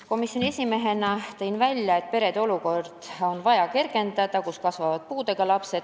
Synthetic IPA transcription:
ko̞misjonʲie̞sʲime̞ɦe̞nɑt̪e̞jnvælʲjɑe̞t̪ːˑpe̞ɾe̞d̪eo̞luko̞rd̪̥o̞nvɑjɑke̞rɡ̥e̞nd̪ɑd̪̥ɑkuskɑsvɑvɑd̪̥̚puːd̪e̞ɡ̥ɑlɑpse̞d̪

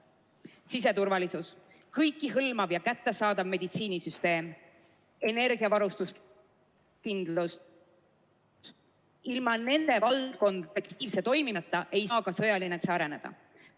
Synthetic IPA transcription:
sise̞t̪uɾvɑlisus | kɤjkːˑiɦɤlmɑvjɑkæt̪ːe̞sɑːd̪ɑvme̞d̪it̪siːnisyst̪e̞ːm | e̞ne̞ɾɡiɑvɑɾust̪us | kind̪̥lus | ilmɑne̞nd̪̥e̞vɑlko̞nd̪ekt̪ʰiːvse̞t̪ːo̞jmit̪ˑːɑʔe̞jskɑsɤ̞jɑlineksɑɾe̞ne̞d̪̥ɑ̰

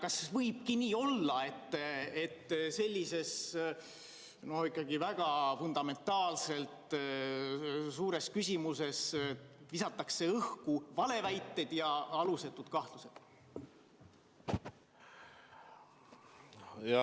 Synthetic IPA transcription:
kɑsvɤjb̥̚kiniːo̞lːɑe̞t̪ːe̞t̪ːse̞lʲːise̞s | no̞hikːˑɑɡivæɡ̥ɑfund̪̥ɑme̞nt̪ːˑɑːlse̞lt̪ | suːɾe̞skysʲimuse̞svisɑt̪ːˑɑkse̞ɤhkuvɑle̞væjt̪ːed̪̥jɑɑluset̪ːˑud̪̥kɑht̪luse̞d̪̥ | jɑ

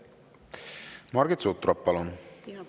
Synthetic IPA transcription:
mɑɾɡet̪sot̪ːɾɑppːɑlon

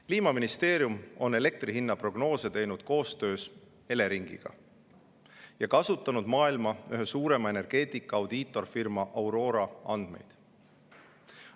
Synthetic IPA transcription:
kliːmɑminist̪e̞ːɾjumo̞ne̞le̞k̚t̪riɦinːɑpro̞ɡ̥no̞ːse̞t̪e̞jnud̪̥ko̞ːst̪ø̞ːs | e̞le̞ɾiŋɡ̥ḭɡ̥ɑ̰ | jɑkɑsut̪ːˑɑnud̪mɑːilmɑyɦøsuːɾe̞mɑe̞ne̞rɡ̥e̞ːt̪ˑikːˑɑɑwd̪̥iːt̪ːˑo̞rfirmɑʔɑwɾo̞ːɾɑɑnd̪̥me̞̰jd̪̥

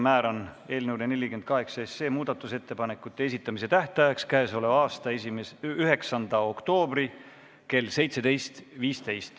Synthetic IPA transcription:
mæːɾone̞ːlnewlene̞lʲːikend̪̚kɑɦe̞ksɑese̞ːmuːd̪̥ɑt̪ːˑuse̞t̪ːe̞pɑne̞kːˑut̪ːˑees̬it̪ːˑɑmise̞t̪æht̪ɑjɑkskæeso̞levɑːst̪ɑesimesyɦe̞ksɑnd̪̥ɑo̞kt̪o̞ːbri | ke̞lːse̞jt̪se̞d̪e̞jst̪viːst̪e̞jst̪

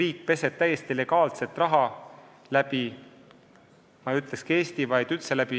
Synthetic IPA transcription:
riːk̚ːˑpe̞se̞b̚t̪æjest̪ile̞ɡɑːlse̞t̪ːˑrɑɦɑ | læb̥i | mɑyt̪ˑle̞ske̞ːst̪ivɑjd̪̥yt̪se̞læb̥i

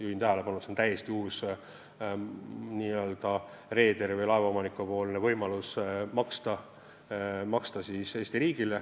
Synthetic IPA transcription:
juhint̪æɦæle̞pɑnusent̪æje̞st̪iuːs | niːøld̪̥ɑ | re̞ːd̪e̞ɾvɤjlɑe̞vɑomɑnikːupo̞ːlnevɤjmɑlusmɑkst̪ɑ | mɑkst̪ɑsise̞ːsʲt̪iɾiːɡ̥ile

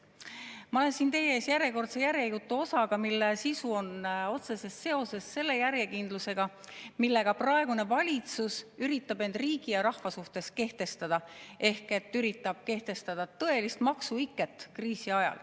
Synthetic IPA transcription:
mɑo̞le̞nsiːnt̪e̞jeeːsjæɾje̞ko̞rt̪se̞jæɾjekut̪ːˑuo̞sɑɡ̥ɑmilːesisuo̞no̞t̪se̞se̞sːe̞o̞se̞sːe̞lːe̞jæɾje̞kind̪̥luse̞ɡ̥ɑ | milːe̞ɡ̥ɑprɑe̞ɡ̥une̞vɑlʲit̪susyɾit̪ːˑɑbe̞nd̪̥riːɡ̥ijɑɾɑhvɑsuht̪e̞ske̞ht̪e̞st̪ɑd̪̥ɑʔe̞hke̞t̪ːˑyɾit̪ːˑɑb̥̚ke̞ht̪e̞st̪ɑd̪̥ɑt̪ɤ̞e̞list̪mɑksuikˑːet̪ːˑkriːsiɑjɑ̰l

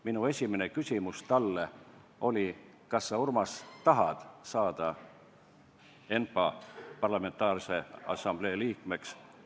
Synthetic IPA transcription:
minue̞sʲimene̞kysʲimust̪ɑlːe | o̞lʲi | kɑsːɑurmɑst̪ɑɦɑd̪̥sɑːd̪̥ɑ | e̞npɑpɑrlɑme̞nt̪ːˑɑːrse̞ɑ̰sɑmb̥le̞ːliːkme̞ks

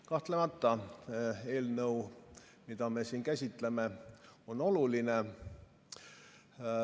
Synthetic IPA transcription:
kɑht̪le̞mɑt̪ːɑ | e̞ːlnɤu | mid̪̥ɑme̞siːnkæsʲit̪ˑle̞me̞o̞no̞luline̞

